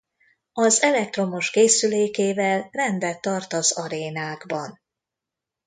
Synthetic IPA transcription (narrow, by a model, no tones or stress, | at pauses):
ɒzɛlɛk̚t̪ro̞moʃkeːsyleːkeːvɛlrɛnd̪ɛt̪ːɒrt̪ɒzɒɾeːnaːɡbɒn